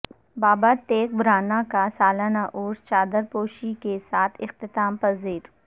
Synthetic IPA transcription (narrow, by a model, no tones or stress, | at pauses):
baːbat̪eːk̚bʱɾaːnakasaːlaːnaʔoːɾst͡ʃaːd̪əɾpoːʃikesaːt̪ʰɪxt̪ɪt̪aːmpɐziːɾ